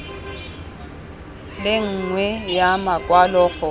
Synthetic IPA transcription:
lɪŋ̩ŋwɛjamakʼwalɔːɣɔ

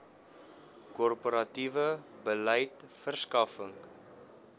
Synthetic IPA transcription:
kɔrpoɾɐtivəbəlɛjtfərskɐfəŋ

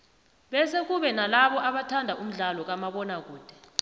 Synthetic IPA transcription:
ɓɛsek̬uɓɛnalaɓɔʔaɓatʰandʱaʔum̩ɮalɔk̬amaɓɔnak̬uːd̥ʱɛ̥

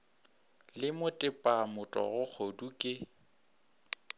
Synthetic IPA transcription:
lɪmʊtʼɪpʼamʊtʼɔ̰ɣʊk͡xʰodukʼɪ

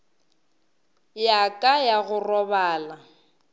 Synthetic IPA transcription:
jakʼajaɣʊrɔbaːla

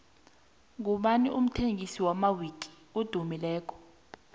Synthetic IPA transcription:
ŋuɓaniʔum̩tʰeŋisiwamawikʼi̥ | ud̥ʱumilɛːk̬ʰʼɔ̥

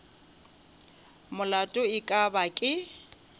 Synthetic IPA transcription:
mʊlatʼʊɪkʼabakʼɪ

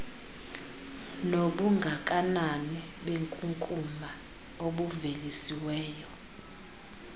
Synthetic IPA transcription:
noɓuŋɡʱakʼananiɓeŋkʼuŋkʼuma | oɓuvelisiwɛːjɔ

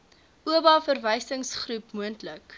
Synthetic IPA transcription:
uəbɑːfərvəjsəŋsχrupmuəntlək

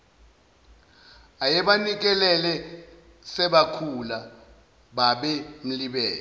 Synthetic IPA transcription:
ajɛɓanik̬ɛlɛlɛ | sɛɓakʰula | ɓaɓɛm̩liɓɛːlɛ

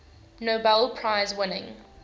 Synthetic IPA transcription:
noʊbɛlˠpʰɹ̥aɪzwɪnɪ̰̃ŋ

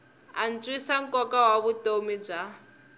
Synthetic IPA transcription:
ant͡sʼwisaŋ̩kʼɔkawaβutomib͡ʐa

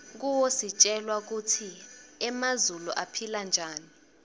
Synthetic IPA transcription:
k̬uwosit͡ʃʼɛlwak̬utʰiɛmazuluʔapʰiland͡ʒʱaːni

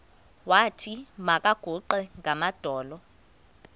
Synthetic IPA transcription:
watʰimakʼaɡ̥ʱuǃɛŋɡʱamad̥ʱɔːlɔ

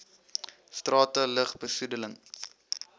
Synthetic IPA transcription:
strɑːtələχbəsudələŋ

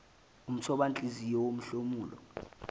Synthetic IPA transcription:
um̩t͡sʰɔɓant͡ɬʼizijɔwom̩ɬomuːlɔ̰

